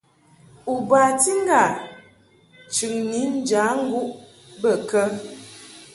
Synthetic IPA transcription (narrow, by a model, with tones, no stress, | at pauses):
u˨ba˨ti˦ŋ˦ɡa˨ | t͡ʃʉ˨ŋni˨˦n̩˦d͡ʒa˨˦ŋ̩˦ɡu˦ʔ | bə˦˨kə˦